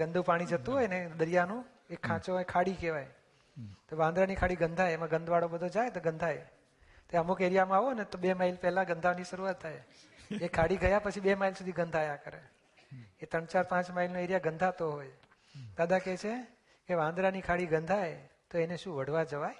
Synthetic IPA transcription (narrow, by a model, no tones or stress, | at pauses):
ɡənd̪ʱũpaɽ̃id͡ʒət̪ũɦojned̪əɾijanũ | ekʰːãt͡ʃõekʰaɽikeʋaj | t̪oʋãnd̪ɾanikʰaɽiɡənd̪ʱajemãɡə̃nd̪ʱʋaɽobəd̪ʱod͡ʒajt̪oɡə̃nd̪ʱaj | t̪oeəmukeɾijamãaʋonet̪oɓemailpɛɦlãɡənd̪ʱaʋniʃəɾuʋat̪ʰːaje | ekʰaɽiɡəjapət͡ʃʰiɓemailsud̪ʱiɡənd̪ʱajãkəɾe | et̪əɳt͡ʃaɾpãt͡ʃmailnoeɾijaɡənd̪ʱat̪oɦoj | d̪ad̪ʱaket͡ʃʰe | keʋãnd̪ɾanikʰaɽiɡənd̪ʱajt̪oeneʃũʋəɽ̤ʋad͡ʒəʋaj